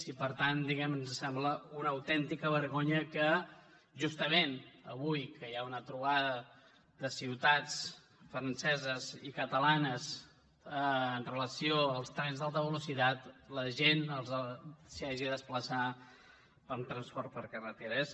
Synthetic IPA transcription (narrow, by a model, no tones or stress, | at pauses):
sipəɾt̪and̪iɣɛmnzəsɛmbləunəwt̪ɛnt̪ikəβ̞əɾɣoɲəkə | ʒust̪əmenəβujkəjaunət̪ɾuβaðə | ðəsiwt̪at͡s | fɾənsɛzəzikət̪əlanəs | əənrələsioəlˠst̪ɾɛnzðalˠt̪əβ̞əlusit̪at̪ləʒenəlˠzəsiaʒiðəspləsa | pəmt̪ɾənspɔɾt̪̚pəɾkərət̪eɾəs